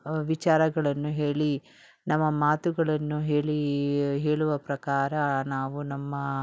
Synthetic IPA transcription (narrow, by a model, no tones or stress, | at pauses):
ʋit͡ʃaːɾɐɡɐɭɐnːuɦe̞ːɭi | nɐmːɐmaːt̪uɡɐɭɐnːuɦe̞ːɭiɦe̞ːɭuʋɐpɾɐkaːɾɐnaːʋunɐmːɐ